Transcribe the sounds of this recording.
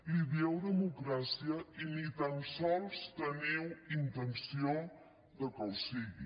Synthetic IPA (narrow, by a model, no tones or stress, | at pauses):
liβewðəmukɾasiɐinit̪ãmsɔlˠst̪ɐnewĩnt̪ẽnsiõ | d̪əkõwsiɣḭ